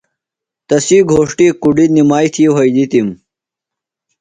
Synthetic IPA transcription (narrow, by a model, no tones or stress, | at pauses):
t̪ɐsiːɡʱoːʂʈikuɖinimaːjt̪ʰiɦɐjd̪it̪im